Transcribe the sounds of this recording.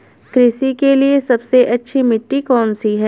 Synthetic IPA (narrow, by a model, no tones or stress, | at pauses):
kɾɪsikeliesɐbseʔɐtːʃʰimɪʈːikɔːnsiɦɛː